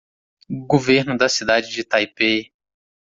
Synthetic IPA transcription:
ɡoveɾnʊd̪ɐsid̪ad͡ʒɪd͡ʒɪt̪ajpe

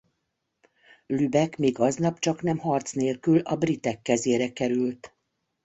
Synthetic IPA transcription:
lybɛkmiːɡɒznɒpt͡ʃɒknɛmhɒrt̪sneːlkylɒbrit̪ɛkːɛzeːɾɛkɛɾylt̪

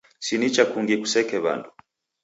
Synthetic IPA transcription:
sinit͡ʃakuŋɡiku̥sɛkɛβa̰ndu

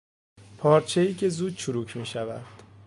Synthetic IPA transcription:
pʰɒːɾt͡ʃʰe̞iːcʰe̞zuːd̪̥̚t͡ʃʰuɾuːcʰmiːʃævæd̪̥

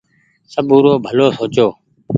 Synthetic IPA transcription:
səɓuːɾoːbʱəloːsoːt͡ʃoː

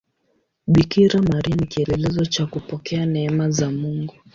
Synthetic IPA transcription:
ɓikiɾamaɾianikiɛlɛlɛzɔt͡ʃakupɔkɛanɛɛmazamuŋɡu

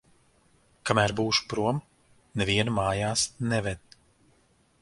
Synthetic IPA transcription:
kamæːɾbuːʃu̥pɾuɔm | nɛviɛnumaːjaːsnɛvɛd̪̚

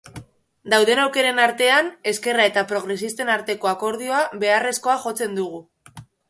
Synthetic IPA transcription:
d̪awðe̞nawke̞ɾe̞naɾt̪e̞ane̞ske̞rae̞t̪apɾo̞ɣ̞ɾe̞sist̪e̞naɾt̪e̞ko̞ako̞ɾð̞io̞aβe̞are̞sko̞axo̞t͡se̞nd̪uɣ̞u

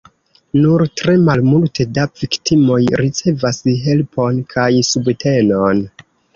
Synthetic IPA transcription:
nuɾtɾe̞malmultʰe̞daviktimo̞jɾit͡se̞vasɦe̞lpʰo̞nkʰajsubte̞no̞n

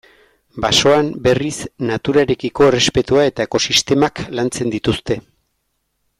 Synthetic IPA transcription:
baso̞ambe̞risnat̪uɾaeɾe̞kiko̞ere̞spe̞t̪uae̞t̪aeko̞sist̪e̞maklant͡se̞nd̪it̪ust̪e̞

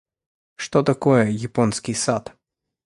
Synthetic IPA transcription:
ʂt̪ot̪ɐkojɛjɪponskʲɪjsat̪

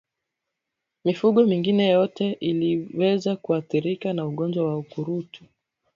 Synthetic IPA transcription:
mifuɠɔmiŋɡinɛjɔtɛʔiliwɛzakuaθiɾikanauɠɔnd͡ʒwawaukuɾutu̥

